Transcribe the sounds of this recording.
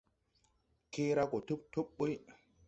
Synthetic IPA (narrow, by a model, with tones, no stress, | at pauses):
ke˦ɾa˦ko˨tu˦p̚tu˦pɓu˦j